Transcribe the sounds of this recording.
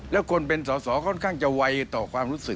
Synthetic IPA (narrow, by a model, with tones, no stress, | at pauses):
lɛ˦˥˩kʰo˧np̬e˧nsɔː˨˦sɔː˩˦kʰɔ˥˩nkʰaː˥˩ŋt͡ɕa˨wa˧jt̪ɔː˨˩kʰwaː˧mɾuː˦˥sɯ˨˩k̚